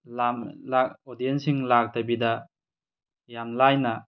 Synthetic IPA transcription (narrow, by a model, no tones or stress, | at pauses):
lamlaodijensiŋlak̚tabida | jamlajna